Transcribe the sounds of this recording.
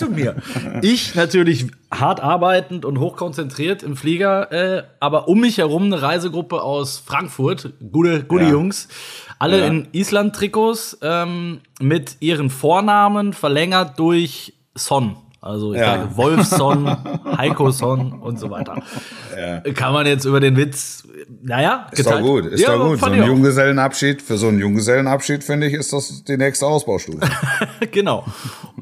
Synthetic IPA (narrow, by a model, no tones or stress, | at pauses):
t͡sumiːɐʔɪçnatyːɐlɪç | haɐtʔaɐbaɪtn̩tʊntɦoːxkʰɔnt͡sɛntʁ̥iːɐtɪmfliːɡɐʔɛːʔaːbɐʔʊmːɪçhɛʁ̞ʊmnəʁaɪzəɡʁʊpəʔaʊsfʁ̥aŋkfʊɐtɡ̥uːəɡuːtəjʊŋsʔaləɪnʔiːslant̚tʁ̥ikoːsʔɛːm | mɪtʔiːʁ̞ənfoːɐnaːmənfɛɐlɛŋɐt̚d̥ʊɐç | sɔn | ʔa̰lzoɪçjaːɡəvɔlfɔnhaɪkosɔnʔʊntz̥ovaɪtɐ̰ | kʰanmanjɛt͡stʔyːbɐdeːnvɪt͡s | najaːɡ̥əɡuːtɪsjaːaɡuːtaoɪnjʊŋɡəzɛlənʔapʃiːtfyːɐzoːnənjʊŋɡəzɛlən̩apʃiːtfɪndəɪçɪstd̥asd̥iːnɛːkstəaʊsb̥aʊʃtṵːfəɡ̥ənaʊ